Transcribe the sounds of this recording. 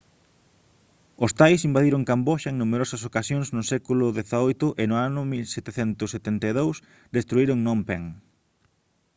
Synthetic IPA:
ʊst̪ajsimbaðiɾʊŋkamboʃɐeŋnumeɾosɐsokasjõŋznʊsɛkulʊðeθaojt̪ʊʔɪnʊanʊmilset̪eθɛnt̪ʊset̪ent̪eðows | d̪est̪ɾuiɾʊŋnõmpeŋ

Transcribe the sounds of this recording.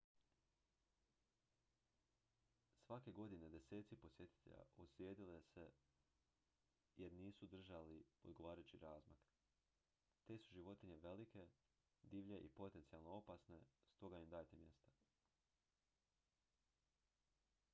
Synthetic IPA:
sʋake̞ɡo̞d̪ine̞d̪e̞se̞ːt̪sipo̞sʲje̞t̪i̥t̪ḛʎa̰ʔoslʲjeːd̪ile̞se̞ | jeɾniːsud̪r̩ʒalio̞d̪ɡo̞ʋaːɾajut͡ɕiɾaːzmak | t̪e̞suʒiʋo̞t̪iɲeʋe̞like̞ | d̪iːʋʎe̞ʔipo̞t̪e̞nt̪sijalˠnoo̞pasne̞st̪o̞ɡajimd̪aːjt̪e̞mje̞st̪a

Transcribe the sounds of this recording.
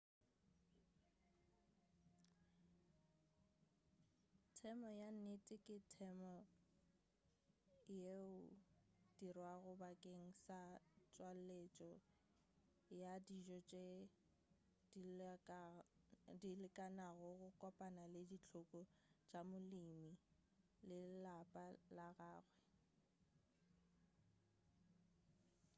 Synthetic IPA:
tʰɛmɔjan̩netʼɪkʼɪtʰɛmɔ | jeʊd̥irwaɣʊbakʼeŋ̩sat͡ʃʼwallet͡ʃʼɔ | jadiʒɔt͡ʃʼe | dilɪkʼanaɣʊɣʊkʼɔpʼanaledit͡ɬʰʊkʼɔd͡ʒamʊlimi | lɪlapʼalaɣaːɣwɛ

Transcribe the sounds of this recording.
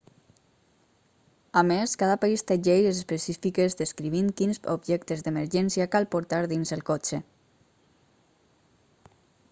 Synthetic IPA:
ameskaðəpaist̪əʒejezəspəsifikezðəskɾiβiŋkinzobʒɛkt̪əzðəməɾʒɛnsiakalˠpoɾt̪aɾðinzəlˠkot͡ʃe

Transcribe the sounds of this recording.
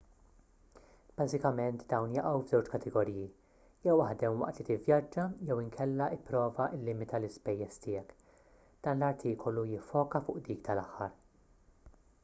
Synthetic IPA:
b̥ɐzɪkɐmɛnt̪d̪ɐwnjɐʔɐwvzɛwt͡ʃkɐt̪ʰɛɡɔɾiːji | jɛwɐħd̪ɛmwɐ̰ʔt̪lit̪ɪvjɐd͡ʒːɐjɛwɪŋkʰɛlːɐɪpːɾɔːvɐʔɪlːɪmɪt̪ʰɐlɪspɛjːɛst̪ɪːɛk | d̪̥ɐːnlɐɾt̪ʰiːkɔlujɪfːɔːkɐfʊːʔd̪iːk̚t̪ɐlɐħːɐ̰ɾ

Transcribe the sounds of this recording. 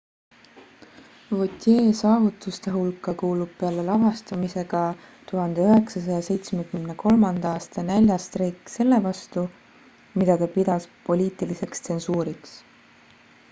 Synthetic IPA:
vot̪ʲˑje̞ːsɑːvut̪ːˑust̪e̞ɦulkːˑɑkuːlub̥̚pe̞ɑlelɑɦɑst̪ɑmise̞ɡ̥ɑ | t̪uɦɑnd̪̥e̞øɦe̞ksɑs̬ɑjɑse̞jt̪smekymne̞ko̞lmɑnd̪̥ɑɑːst̪ɑnælʲjɑst̪ɾeːkːˑse̞lːe̞vɑst̪u | mid̪ɑt̪ɑpid̪ɑspo̞lʲiːt̪ˑilise̞kst̪se̞nsuːɾiks

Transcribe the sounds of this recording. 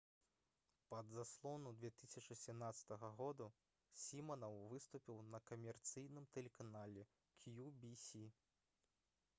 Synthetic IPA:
pɐd̪zaslˠɔnud̪vʲɛt̪ɨsʲɐt͡ʂɨsʲɛmnat̪sɐ̥t̪ɐɣɐɣɔd̪u | sʲimɐnɐwvɨst̪upʲiwnɐkɐmʲɛrt̪sɨjnɨmt̪ɛlʲɛkanalʲɛ | kʲʰjubʲisʲi

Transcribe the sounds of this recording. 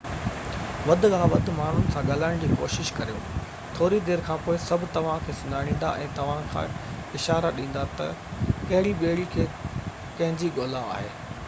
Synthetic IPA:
ʋɐd̪ʱɣaːɦʋɐd̪ʱʊ̆maːn̤ʊnɪ̆sãɠɐlaːɪɽ̃d͡ʑiːkoːʃɪʃkɐɾijo̰ː | t̪ʰoːɾid̪eːɾkʰãːpoːɪsɐbʱɪ̆t̪ɐʋ̤ãkʰeːsʊnd̪ʱaːɽ̃ĩːn̆d̪a̰ʔɛ̰̃ːt̪ɐʋ̤ãkʰã̰ | ɪʃaːɾaɗĩːn̆d̪at̪ɐkɐɦɪɽiɓeːɽikʰeː | kɐ̃ɦɪ̃ɲd͡ʑiɠoːla̰ːɦḛː

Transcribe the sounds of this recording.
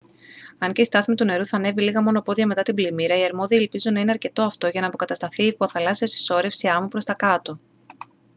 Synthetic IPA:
ɐɲce̞ist̪ɐθimit̪une̞ɾuθɐne̞viliɣɐmo̞no̞po̞ðʝɐme̞t̪ɐt̪iblimiɾɐiɐɾmo̞ðielpizunːɐine̞ɐɾce̞t̪o̞ɐft̪o̞ʝɐnɐːpo̞kɐt̪ɐst̪ɐθiːpoθɐlɐsiɐsi̥so̞ɾe̞fsiɐmupɾost̪ɐkɐt̪o̞

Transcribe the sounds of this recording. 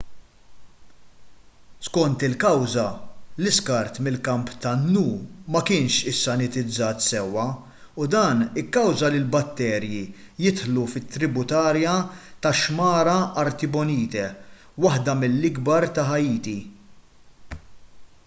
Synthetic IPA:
skɔnt̪ɪlkɐwzɐlɪskɐɾt̪mɪlkɐmpt̪ɐnːuːmɐkɪːnʃɪsːɐnɪt̪ɪd͡zːɐːt̪sɛwːɐ | ʊd̪ɐːnɪkːɐwzɐlɪlbɐt̪ːɛːɾji | jɪt̪ħlufɪt̪ːɾɪbʊt̪ɐːɾjɐt̪ɐʃmɐːɾɐɐɾt̪ɪbɔniːt̪ɛ | wɐħd̪ɐmɪlːɪɡbɐɾt̪ɐħɐjiːt̪i

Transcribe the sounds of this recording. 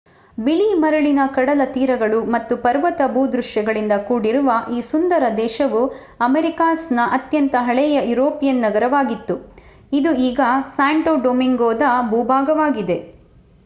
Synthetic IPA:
biɭimɐɾɐɭinɐkɐɽɐlɐt̪iːɾɐɡɐɭumɐt̪ːupɐɾʋɐt̪ɐbʱuːd̪ɾuʃjɐɡɐɭind̪ɐkuːɽiɾuʋɐʔiːsund̪ɐɾɐd̪ɛːʃɐʋu | ɐmeɾikaːsnɐʔɐt̪jɐnt̪ɐɦɐɭɛjɐjuɾoːpijɐnːɐɡɐɾɐʋaːɡit̪ːu | id̪uiːɡɐsaːɳʈoːɖomiŋɡoːd̪ɐbʱuːbʱaːɡɐʋaːɡid̪e̞

